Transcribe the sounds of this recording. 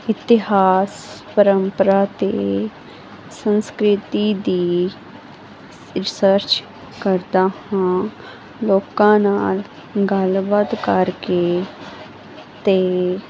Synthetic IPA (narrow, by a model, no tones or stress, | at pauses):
ɪt̪ɪɦaːspəɾəmpəɾaːt̪eː | sə̃nskɾɪt̪iːd̪iː | ɾɪsəɾt͡ʃ | kəɾd̪aːhãː | loːkãːnaːl | ɡəlbəd̪kəɾkeː | t̪eː